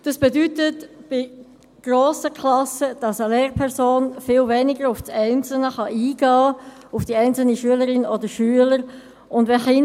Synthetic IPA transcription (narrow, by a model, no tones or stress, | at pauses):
d̥ɑsb̥ɛdytətb̥ɪ | ɡ̥roːsəkʰlɑsəd̥ɑsəleːɾpʰɛʁzoːnfɪːlvɛnɪɡəɾʊfsɛɪnt͡sl̩nəχɑʔiːɡɑː | ʊfd̥iɛɪnt͡sl̩niʃyələɾɪnɔdəɾʃyələɾ | ʊndʋɛχɪ